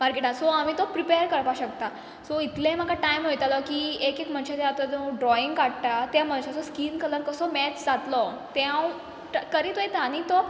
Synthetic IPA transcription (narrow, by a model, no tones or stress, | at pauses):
maɾkeʈasɔamit̪ɔpɾipeəɾkəɾpaɕəkt̪a | sɔit̪lẽm̤əkaʈajmɦojt̪alɔkiːekekm̤ə̃ɳɕat̪ɛat̪at̪ɔ̃ɖɾɔiŋɡkaɽʈat̪am̤ənɕasɔskiːnkələɾkəsɔmɛt͡sd͡zat̪lɔ | t̪ãaw | ʈkəɾit̪ojt̪anit̪ɔ